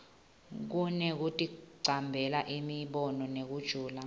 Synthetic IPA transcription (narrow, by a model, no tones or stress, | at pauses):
k̬unɛk̬utʼiǀʱambʱɛlaʔimiɓɔnɔnek̬ud̥ʒ̥ʱuːla